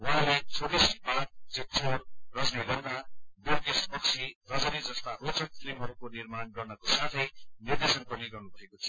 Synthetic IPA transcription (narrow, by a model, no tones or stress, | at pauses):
wʌɦãlet͡sʰoɾisbat̪̚d͡zit͡sʰoɾrʌsneɡʌrnaberkespʌksʰirʌd͡zʌnid͡zʌst̪aɾot͡sʌnsrimɦʌɾukonirmanɡʌrnʌkosat̪ʰʌjnird̪esʌnpʌniɡʌrnubʱʌekot͡sʰʌ